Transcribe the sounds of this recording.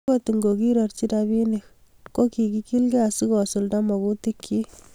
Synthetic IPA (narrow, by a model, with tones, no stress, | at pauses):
oti˨ŋɡo˨ki˦ɾɔ˨rt͡ʃi˦tabi˦nik | ko˦ki˨ki˦ki˦lɡɛ˦asi˦kɔ˨su˨lda˦mɔ˨ku˦ti˦kʰːi˦